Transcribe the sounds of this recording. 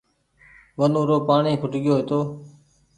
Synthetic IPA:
ʋənõːɾoːpaːɳiːkʰʊʈɠɪjoːɦeːt̪oː

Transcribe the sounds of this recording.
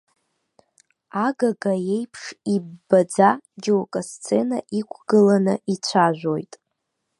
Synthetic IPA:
aɡaɡaje̞jpʰʂibːad͡zad͡ʒowkʼast͡sʰʼenaʔikʷʰɡ̥ɨlanɨit͡ɕʷʰaʒᶣʷo̞jtʼ

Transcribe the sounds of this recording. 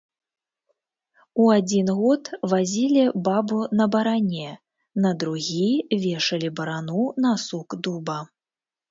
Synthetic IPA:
uad͡zʲinɣɔt̪vazʲilʲibabunɐbɐɾanʲɛ | nɐd̪ɾuɣʲivʲɛʂɐlʲibɐɾanunasukd̪ubɐ

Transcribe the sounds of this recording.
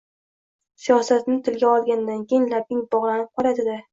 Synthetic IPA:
sijɒsat̪nɪt̪ʰɪlɡʲaɒlˠɡʲanɪd̪ankʲʰejɪŋlapɪŋbɒʁlˠanɪp̚qʰɒɾad̪ɪd̪ɪ

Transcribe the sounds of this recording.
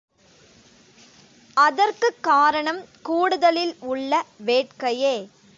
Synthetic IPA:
ɐðɐrkɯkːaːɾɐɳɐmkuːɽɯðɐlɪlʊɭːɐʋeːʈkɐjeː

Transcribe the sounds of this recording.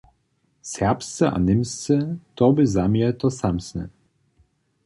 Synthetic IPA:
sʲɛʁpst̪sɛʔa̰nɪmst̪sɛt̪ɔbɘzamjɛt̪ɔsamsnɛ̰

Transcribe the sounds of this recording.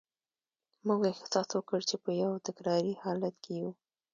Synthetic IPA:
muɡext̪ɪ̥sɑswəkəɽt͡ʃepəjawt̪akɾɑɾihɑlat̪kʰeju

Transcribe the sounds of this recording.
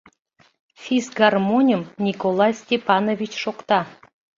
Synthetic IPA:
fʲizɡarmonʲimnʲikolˠɑjsʲtʲepɑnovʲit͡ɕʃokt̪ɑ

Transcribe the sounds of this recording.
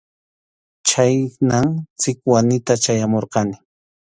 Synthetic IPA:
t͡ʃajnamt͡sɪkwanɪt̪at͡ʃajamoɾqɑnɪ

